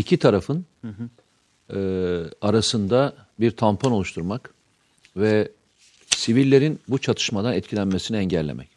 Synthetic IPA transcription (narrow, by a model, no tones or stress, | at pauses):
icʰit̪ʰaɾafɯn | aɾasɯnd̪abiɾt̪ʰampʰano̞lˠuʃt̪ʰuɾmak | vɛ | sivilʲːe̞ɾinbut͡ʃʰat̪ʰɯ̥ʃmad̪anɛt̪̚cʰilʲænmesiniɛɲɟɛlʲːḛmʔɛ̰c